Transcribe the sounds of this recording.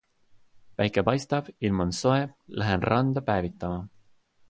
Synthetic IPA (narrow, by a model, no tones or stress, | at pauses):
pæjkːˑepɑjst̪ɑb̥ilmɑnso̞eblæɦenrɑnd̪̥ɑpæːvit̪ːˑɑmɑ